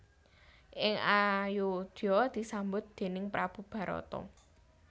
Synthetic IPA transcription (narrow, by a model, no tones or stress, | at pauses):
ʔɪŋajud̪̥ɔd̪̥i̤sambʊt̪̚d̪̥e̤nɪŋpɾab̥ṳb̥ä̤ɾɔ̰t̪ɔ̰